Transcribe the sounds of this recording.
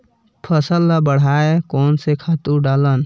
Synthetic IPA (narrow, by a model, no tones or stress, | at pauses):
pʰəsəlːabəɽ̤aːekɔːnsekʰaːt̪uɖaːlən